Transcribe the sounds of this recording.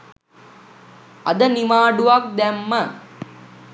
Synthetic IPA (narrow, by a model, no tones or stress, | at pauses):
ɐd̪ənimaːɖuʋak̚d̪æmːə